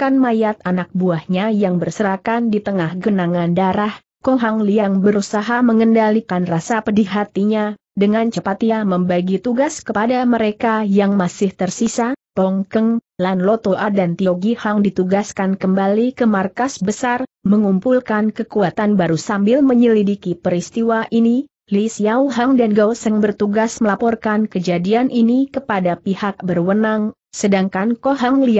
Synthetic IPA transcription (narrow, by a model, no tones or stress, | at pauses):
kanmajat̪anak̚buahɲajaŋbərsəɾakandit̪əŋahɡənaŋandaɾah | kɔŋɦaŋliaŋbəɾusaɦaməŋəndalikanrasapədiɦat̪iɲa | dəŋant͡ʃəpat̪ɲaməmbaɡit̪uɡaskəpadaməɾekajaŋmasɪht̪ərsisat̪ɔŋkəŋlanlɔt̪oʔadant̪ioɡihaŋdit̪uɡaskankəmbalikəmarkasbəsarməŋumpulkankəkuat̪anbaɾusambɪlməɲəlidikipəɾist̪iwaʔini | lisjawɦaŋdanɡawsəŋbərt̪uɡasməlapɔrkankəd͡ʒadianʔinikəpadapihak̚bərwənaŋ | sədaŋkankoɦaŋlia